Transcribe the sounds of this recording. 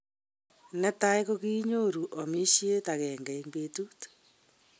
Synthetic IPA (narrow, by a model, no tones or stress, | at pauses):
nɛtaekoɣiːɲoɾuʔomiʃietaɣɛŋɡaimbetut